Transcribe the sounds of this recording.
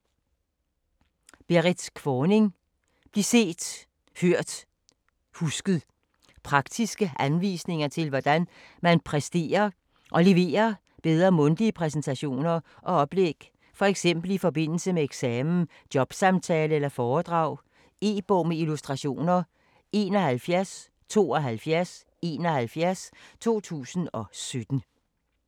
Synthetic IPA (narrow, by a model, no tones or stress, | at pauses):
b̥e̝ʁid̥kʰʋɒːne̝ŋ | b̥lise̝̰ːd̥ | høɐ̰d̥ | husɡ̥ð̩ˠ | pʰʁɑ̈ɡ̥d̥isɡ̥əʔænʋḭːsne̝ŋɐt͡sʰe̝lʋɒd̥æn | mænpʰʁɛsd̥e̝̰ːɐ | ʔɒ̽le̝ʋe̝̰ːɐ | b̥eð̞ˠʁɐmɔ̽nd̥iəpʰʁɛs̬ent͡sʰæɕo̝̰ːnɐ | ʔɒ̽ɒ̽b̥leɡ̥ | fɒ̽eɡ̥sem̰b̥l̩ifɒ̽b̥e̝n̰l̩səmeeɡ̥sɛːmn̩ | d̥jɒ̽b̥sɑ̈mt͡sʰɛːləelɐfɒːd̥ʁɑ̈ʊ̰ | e̝̰ːb̥ɔmeilusd̥ʁɑ̈ɕo̝̰ːnɐ | e̝ːnɒ̽hælfjæɐs | t͡sʰo̝̰ːɒ̽ɦælfjæɐs | e̝ːnɒhælfjæɐst͡sʰo̝̰ːt͡sʰṵːsn̩ɒ̽sød̥n̩